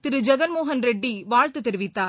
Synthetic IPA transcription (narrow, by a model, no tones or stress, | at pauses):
t̪ɪɾɯd͡ʒɐɡɐnmoːɦɐnɾɛɖːiʋaːɻt̪ɯt̪ɛɾɯʋɪt̪ːaː